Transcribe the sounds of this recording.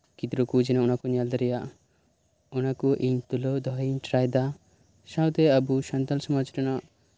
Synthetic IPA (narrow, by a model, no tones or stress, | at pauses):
kid̪ɾokud͡ʒinɔunakuɲald̪aɾija | unakuʔiɲt̪ulod̪ʱɔɦiɲʈɾajd̪a | ʃãwt̪eabuʃɐnt̪alsɔmɔd͡ʒʈɔnɔ